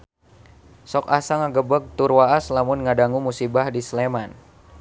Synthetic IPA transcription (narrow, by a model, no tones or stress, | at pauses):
sɔkasaŋaɡəbək̚t̪urwaʔaslamʊnŋadaŋumusibahdisleman